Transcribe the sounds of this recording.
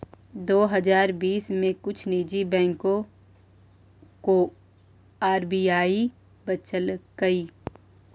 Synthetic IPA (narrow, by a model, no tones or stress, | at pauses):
d̪oːɦɐzaːɾbiːsmẽkʊt͡ʃʰniːd͡ʒibɛ̃ːŋkõ | ko | aːɾbiːaːi | bɐt͡ʃəlkɐiː